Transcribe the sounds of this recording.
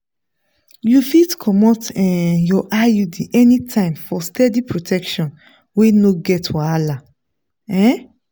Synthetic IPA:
jufitkʰɔmɔtɛ̃jɔʔajudiʔɛnĩtʰãɪ̃mfɔstʰɛdipʰɹotʰɛkʃɔ̃n | wenoɡɛtwaala | ɛ̃

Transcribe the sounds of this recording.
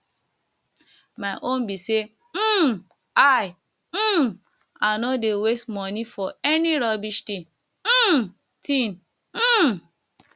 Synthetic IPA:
maɪʔõnbise | m̩ | aj̩ | anɔdewestmɔnifɔɛniɾɔbiʃtĩn | m̩ | tĩn̩

